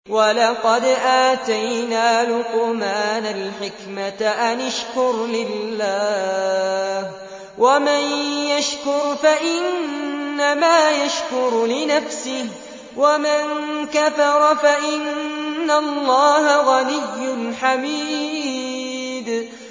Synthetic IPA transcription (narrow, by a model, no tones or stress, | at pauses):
walɑqɑd̪ʔaːt̪ajnaːlʊqʊmaːnalħɪkmaʔanaʃkʊɾlɪlːaː | h | wamanjaʃkʊɾfaʔɪnnːamaːjaʃkʊɾlɪnafsɪh | wamankaθɑɾˤɑfaʔɪnːalˤːɑːɦaɣanɪjːʊnħamiː | d̪